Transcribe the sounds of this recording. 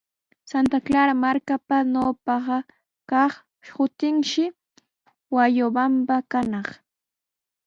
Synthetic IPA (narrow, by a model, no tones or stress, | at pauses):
sant̪aklaɾamaɾkapanopɑɢɑ | kɑχ | hʊt̪ɪŋʃɪ | wajobampakanɑχ